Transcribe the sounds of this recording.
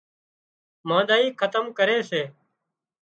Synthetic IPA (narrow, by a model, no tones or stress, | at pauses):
mãːɗ̪aːiːkʰət̪əmkəɾeːseː